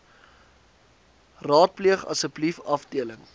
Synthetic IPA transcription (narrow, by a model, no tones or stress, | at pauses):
rɑːt̚pliəχɐ̰səblifɐfdiələŋ